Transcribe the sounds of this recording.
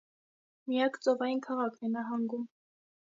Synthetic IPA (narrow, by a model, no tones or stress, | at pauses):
mijɑkt͡sɔvɑjinkʰɑʁɑkʰnɛnɑɦɑŋɡum